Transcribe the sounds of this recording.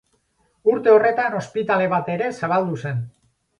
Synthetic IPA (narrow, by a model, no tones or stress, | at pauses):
uɾt̪e̞o̞re̞t̪ano̞spit̪ale̞β̞at̪e̞ɾe̞saβ̞ald̪use̞n